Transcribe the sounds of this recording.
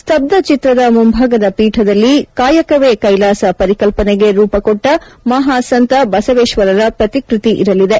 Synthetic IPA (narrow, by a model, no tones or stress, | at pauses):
st̪ʰɐb̚d̪ɐt͡ʃit̪ɾɐd̪ɐmumbʱaːɡɐd̪ɐpiːʈʰɐd̪ɐlːikaːjɐkɐʋeːkɐjlaːsɐpɐɾikɐlpɐneɡe̞ɾuːpɐkoʈːɐmɐɦaːsɐnt̪ɐbɐsɐʋeːʃʋɐɾɐɾɐpɾɐt̪ikɾit̪iʔḭɾɐlid̪e̞